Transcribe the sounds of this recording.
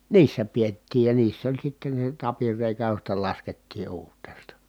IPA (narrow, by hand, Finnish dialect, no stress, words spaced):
niːsːæ pietːiːj jɑ niːsː olʲ sitːen̞ se tɑpirːeˑikæ jostɑ lɑsketːiː uːrtˑeːstɑ